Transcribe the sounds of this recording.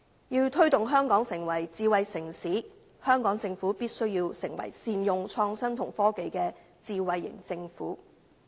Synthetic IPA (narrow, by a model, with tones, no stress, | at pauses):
jiː˧wt̪ʰɵ˥ɥt̪ʊ˨ŋɦœː˥ŋkɔː˨˥ŋsɪ˨˩ŋwɐ˨˩jt͡siː˨˧wɐ˨jsɪ˨˩ŋsiː˨˥ | hœː˥ŋkɔː˨˥ŋt͡sɪ˧ŋfuː˨˥piː˥t̚sɵ˥ɥji˧wsɪ˨˩ŋwɐ̰˨˩jsiː˧njʊ˨˧ŋt͡ʃʰɔː˧ŋsɐ˥mt̪ʰʊ˨˩ŋfɔː˥ke˨˧jkɛː˧ | t͡siː˨˧wɐ˨jːɪ̰˨˩ŋt͡sɪ˧ŋfṵː˨˥